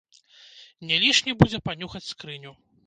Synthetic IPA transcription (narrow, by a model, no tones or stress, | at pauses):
nʲɛlʲiʂnʲibud͡zʲɛpanʲuxɐt͡sʲskɾɨnʲu